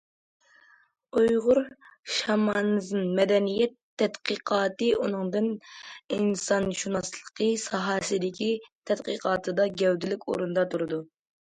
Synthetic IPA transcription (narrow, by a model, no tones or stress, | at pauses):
ujʁʊɾʃɑmɑnɨzɨnmɛd̪ɛnijɛt̪ʰːɛt̪qəqʰɑːt̪ɨunɨŋd̪ɨninsɑnʃunɑslˠə̥qʰəsɑɦɑsɨd̪ɪkʲit̪ʰɛt̪qəqɑːt̪ʰɨd̪ɑɡʲɛwd̪ɪlɪkʲo̰ɾund̪ɑt̪ʰuɾɨd̪u